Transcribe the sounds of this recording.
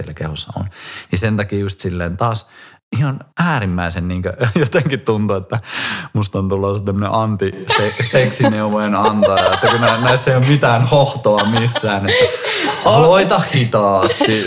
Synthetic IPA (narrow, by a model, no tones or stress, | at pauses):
iḛlækḛhusːɑ̰o̰nnisent̪ɑkiːjust̪silːeːnt̪ɑːs | ihɑnʔæːrimːæisenniːŋkøjot̪eŋkit̪t̪unt̪uet̪ːæmust̪ɑnt̪ulːɑːset̪æmːənḛʔɑnt̪iseseksineuʋoenɑnt̪ɑːet̪ːækunænæisːæeiommit̪æːnhoht̪oɑmisːæːnet̪ːæɑloit̪ɑhhit̪ɑːst̪i